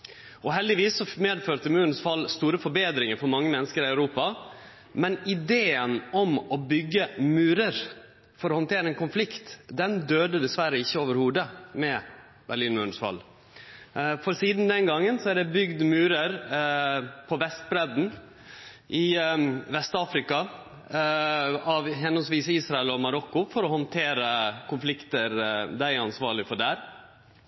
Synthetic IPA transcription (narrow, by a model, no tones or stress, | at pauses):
ɔɦɛld̪ɪʋiːsːɔmeːd̪føːɾt̪əmʉːnsfɑlːst̪uːɾəfɔɾbeːd̪ɾɪŋəɾfɔɾmɑŋːəmɛnːəskəɾɪæʉɾuːpɑ | mɛnɪd̪eːənɔmɔbʏɡːəmʉːɾəɾ | fɔɾɔhɔnt̪ʰeːɾəɛnkʊnflɪkt̪d̪ɛnd̪øːd̪əd̪ɛsʋæɾəɪçːəoːʋəɾhuːd̪əmɛ | bæliːnmʉːnsfɑ̰lː | fɔɾsiːd̪nd̪ɛnɡɑŋːənsɔæɖ̪ɛbʏɡd̪mʉːɾəɾ | pʰɔʋɛst̪̚bɾɛd̪n̩ | ʔɪʋɛst̪ɑːfɾɪkɑ | ɑʋhɛnːɔnsʋiːsəiːsɾɑɛlɔmɑɾɔkːʊfɔɾɔhɔnt̪ʰeːɾəkʰʊnflɪkt̪əɾd̪æɪɾɑnsʋɑːɾɭɪfɔɖæːɾ